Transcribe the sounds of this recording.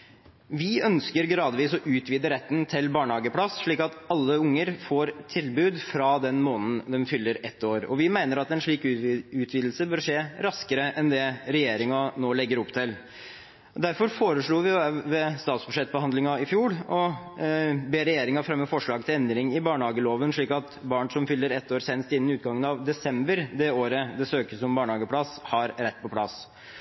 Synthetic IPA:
ʋɪœnskəɾɡɾɑːd̪ʋiːsɔʔʉːt̪ʋiːd̪əɾɛt̪ːnt̪ʰɪlbɑːɳəhɑːɡəpʰɽɑsʂɭiːkɑt̪ɑlːəʊŋːəɾfoːɾt̪ʰɪlbʉːd̪fɾɑd̪ɛnmoːnn̩d̪ɛnfʏlːəɾɛt̪ːoːɾɔ̰ʋɪmæɪnəɾɑt̪ɛnʂɭiːkʉːt̪ʰʋiːd̪l̩səbøːɾʂeːɾɑskəɾəʔɛnd̪ɛɾɛjeːɾɪŋɑnoːlɛɡːəɾʊpːt̪ʰɪl | d̪æɾfɔɾfoːɾəʂɭuːʋɪjʋɛst̪ɑːt̪sbʉʂɛt̪ːbɔhɑnd̪lɪŋɑɪfjuːɽɔ | beːɾɛjeːɾɪŋɑfɾɛmːəfɔʂɭɑːɡ̚t̪ʰɪlɛnd̪ɾɪŋɪbɑːɳəhɑːɡəloːʋənʂɭiːkɑt̪bɑːɳsɔmfʏlːəɾɛt̪ːoːɾseːnəst̪ɪnːnɪʉːt̪̚ɡɑŋːənɑʋd̪ɛsɛmbəɾd̪ɛoːɾəd̪ɛsøːkəsɔmbɑːɳhɑːɡəpʰlɑshɑɾɾɛt̪ːpʰɔpʰlɑ̰s

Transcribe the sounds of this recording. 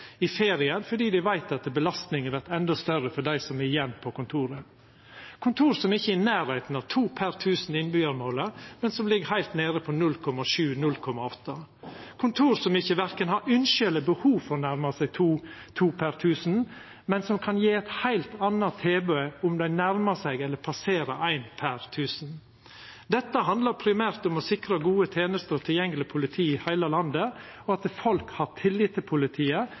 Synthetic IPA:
ɪfeːɾɪənfɔɖiːd̪æʋæɪt̪ɑt̪bəlɑst̪nɪŋəʋæʈɛnd̪ɔst̪œɾəfɔɖæɪsɔmɛɪjɛnːpʰɔkʊnt̪ʰuːɾə | kʰʊnt̪ʰuːɾsɔmɪçːəɪnæːɾheɪt̪n̩ɑʋt̪ʰuːpʰæɾt̪ʰʉːsn̩ɪnbyːəɾmoːləmɛnsɔmlɪɡəhæɪlt̪neːɾəpʰɔnʉlkʰɔmɑʃʉːnʉlkʰɔmːɑɔt̪ːəkʰʊnt̪ʰuːɾsɔmɪçːəʋæɾkənɦɑɾʉnʃʏləbəhuːʋfɔɾɔnæɾmɑsæɪt̪ʰuːt̪ʰuːpʰæɾt̪ʰʉːsn̩ | mɛnsɔmkʰɑnjiːɛt̪hæɪlt̪ɑnːɑt̪ʰːeːbœʏʊmd̪æɪnæɾməsæɪɡɛlːəɾpʰɑseːɾəʔæɪnpʰæɾt̪ʰʉːsn̩ | d̪ɛt̪ːəɦɑnd̪ləɾpʰɾɪmæːɾt̪ʊmɔsɪkɾɑɡuːət̪ʰeːnəst̪əɾɔt̪ʰɪljɛŋːəlɪpʰʊlɪt̪ʰiːɪhæɪləlɑnd̪ə | ɔɑt̪əfɔlkhɑɾt̪ʰɪlːɪt̪ːɪlpʰʊlɪt̪ʰiːə

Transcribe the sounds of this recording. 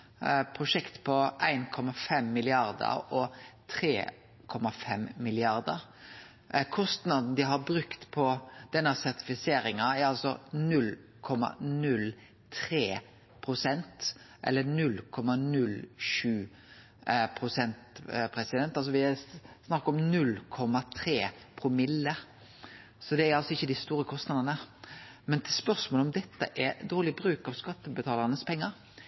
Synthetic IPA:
pʰɾʊʂɛkt̪pʰɔʔæ̰ɪnkʰɔmɑfɛmːɪlɪɑɾd̪ə̰ɾɔt̪ʰɾḛː | kʰɔmɑfɛmmɪlɪɑɾd̪ə̰ɾ | kʰɔst̪nɑd̪n̩d̪ɪɦɑɾbɾʉkt̪pʰɔd̪̥ɛnːəsæʁt̪ɪ̥fɪseːɾɪŋɑɛɾɑlsɔnʉlː | kʰɔmːɑ̰nʉl | t̪ʰɾeː | pʰʁʊsɛnt̪ʔɛ̰lːənʉlkʰɔmɑnʉlʃʉː | pʰʁʊsɛnt̪pʰɾɛsɪd̪ɛnt̪ɑlsɔʋɪsnɑkːɔmnʉlkʰɔmːɑt̪ʰɾeːpʰɾɔmɪlːə | sɔd̪ɛæɾɑlsɔɪçːəd̪ɪst̪uːɾəkʰɔst̪nɑd̪ɑnəmɛnt̪ʰɪspœɾsmoːlɔmd̪ɛt̪ːə̰ʔɛɾd̪oːʁlɪbɾʉːkɑʋskɑt̪ːəbət̪ʰɑːlɑɾnəspʰɛŋːɑɾ

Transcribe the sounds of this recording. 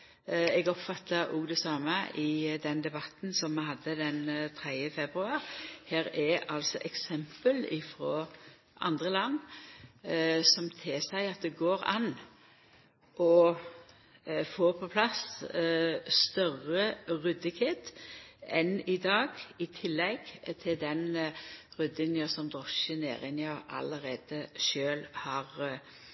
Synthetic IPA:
ɛɡɔpfɑt̪ʰːəʔuːɡd̪ɛsɑːməʔɪd̪ɛnd̪ɛbɑt̪n̩sɔmːɛhɑd̪ːəd̪ɛnt̪ʰɾɛd̪jəfɛbʁʉɑːɾheːɾɛɑlsɔʔɛksɛmpəlɪfɾɔ | ʔɑ̰nd̪ʁəlɑnː | sɔmt̪ʰɪsæɪɑt̪̚d̪ɛɡoːɾɑ̰n | ʔɔ | foːpʰɔpʰlɑs | st̪œʁəʁʉd̪ɪkʰet̪ɛnɪd̪ɑːɡɪt̪ʰɪlːɛɡt̪ʰɪld̪ɛnʁʉd̪ɪnjəsɔmd̪ʁɔʃənḛːʁɪnjɑʔɑ̰ləɾeːd̪̥əʃøːlhɑʁ

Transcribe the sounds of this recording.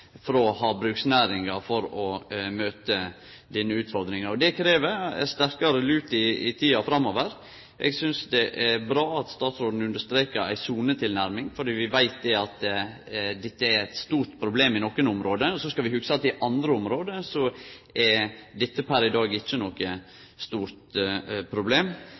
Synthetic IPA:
fɾɔhɑːbɾʉːksnæːɾɪŋɑfɔɾɔmøːt̪ə | d̪iːnːəʉːt̪fɔɾd̪ɾɪŋɑɾɔd̪ɛkʰɾeːʋə̰st̪æɾkɑɾəlʉːt̪ɪɪ̰t̪ʰiːɑfɾɑmoːʋəɾ | ʔɛ̰ɡsʏnsd̪ɛʔæbɾɑːɑt̪st̪ɑːt̪sɾoːd̪n̩ʉnd̪əʂst̪ɾeːkəɾæ̰ɪsuːnət̪ʰɪlnæɾmɪŋfɔɖiːʋɪʋæɪt̪̚d̪ɛɑt̪ | d̪ɛt̪ːəæɾæt̪st̪uːɾʈ̪pʰɾʊbleːmɪnɔkːənʊmɾoːd̪əɔsɔskɑʋɪhʉksəɑt̪ɪʔɑnd̪ɾəʊmɾoːd̪əsɔɛɾd̪ɛt̪ːəpʰæɾɪd̪ɑːɡɪt͡ʃːənɔkːə | st̪uːɾt̪pʰɾʊbleːm

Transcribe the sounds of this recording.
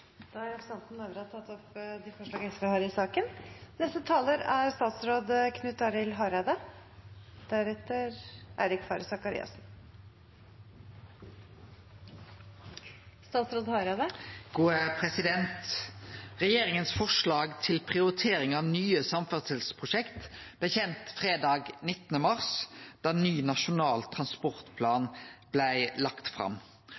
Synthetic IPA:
d̪̥ɑːæɾɛpsɑnt̪n̩ɑʋəɾɑt̪ʰɑt̪ʰːɔpd̪ɪfɔʂɭɑːɡəɛsʋəhɑːɾɪsɑːkənnɛst̪ət̪ʰɑːləɾæɾst̪ɑːt̪sɾoːd̪kʰnʉt̪ːɑɾɪlɦɑɾɑd̪ə | d̪̥æɾɛt̪əɾʔæ̰ːɾɪkfɑːɾəsɑkɑɾḭːɑ̰sn̩ | st̪ɑːt̪sɾoːd̪hɑɾɑd̪əɡ̥uːəpʰʁɛsɪd̪ɛnt̪ | ʁɛjeːɾɪŋənsfɔʂlɑːɡt̪ʰɪlpʰʁɪʊɾɪt̪ʰeːɾɪŋɑʋnyːəsɑmfœʁt̪səlspʰʁʊʃɛkt̪b̥læçɛnt̪fʁeːd̪ɑːɡnɪt̪ːənəmɑʁsd̪̥ɑːnyːnɑʃʊnɑːlt̪ʰʁɑnspɔʁt̪pʰlɑːnb̥læɪlɑkt̪fʁɑ̰m

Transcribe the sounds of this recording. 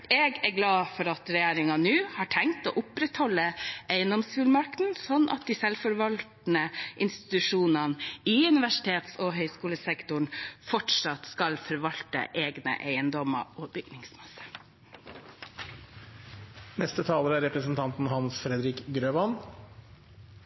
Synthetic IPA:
eːɡæɾɡlɑːfɔɾɑt̪ɾɛjeːɾɪŋɑnʉːhɑːʈʰɛŋt̪o̰ːʔʊpɾɛt̪hɔlːəʔeɪənd̪ɔmsfʉːlmɑɾk̪n̩sɔnːʔɑ̰t̪̚d̪iːsɛlfɔɾʋɑlt̪n̩əʔɪnst̪ɪ̥t̪ʉʂuːnɑniʉnɪʋæʂɪ̥t̪ʰeːt̪sɔɦœʏskuːləsɛkt̪ʊɳfɔʈʂɑt̪skɑlfɔɾʋɑlt̪ə̰ʔeːɡnə̰ʔeɪənd̪ɔmɑ̰oːbʏɡnɪŋsmɑsə̥ | nɛst̪ət̪ʰɑːləɾəæɾɛpɾəsn̩t̪ʰɑnt̪n̩hɑnsfɾɛd̪ɾɪkɡɾøːʋɑn

